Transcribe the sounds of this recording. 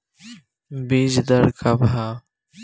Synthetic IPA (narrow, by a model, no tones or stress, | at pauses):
bed͡ʒd̪əɾkʰabʱaː